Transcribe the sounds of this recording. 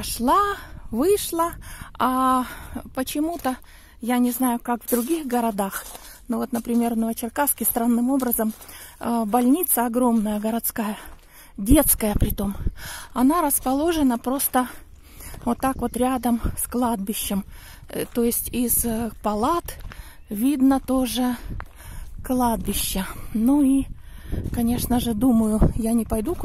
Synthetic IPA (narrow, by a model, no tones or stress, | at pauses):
ʂlˠavɨʂlˠəa | pət͡ɕɪmut̪ə | janʲɪznajʊkakvd̪ɾʊɡʲixɡəɾɐd̪axnovo̞t̪nəpɾʲɪmʲe̞rvnəvət͡ɕɪrkaskʲɪst̪ɾanːɨmo̞bɾəzəm | bɐlʲnʲit̪səɐɡɾo̞mnəjəɡəɾɐt̪skajə | dʲe̞t̪skəjəpɾʲɪt̪o̞mɐnaɾəspɐlˠo̞ʐɨnəpɾo̞st̪ə | vot̪ːakvo̞t̪ɾʲad̪əmsklˠad̪̚bʲɪɕːɪm | t̪ojɪsʲtʲɪzpɐlˠat̪ | vʲid̪nət̪o̞ʐɨ | klˠad̪̚bʲɪɕːənui | kɐnʲe̞ʂnəʐɨd̪uməjʊjanʲɪpɐjd̪u